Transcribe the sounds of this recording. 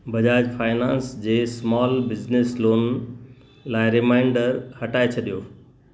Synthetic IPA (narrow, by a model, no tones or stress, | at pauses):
bʱɐd͡ʑaːd͡ʑfʰaːɪnãːnsd͡ʑeːsmɔːlbɪd͡ʑnesloːn | laːɪɾɪmaːɪ̃ɳɖəɾhɐʈaːet͡ɕʰɐɗijoː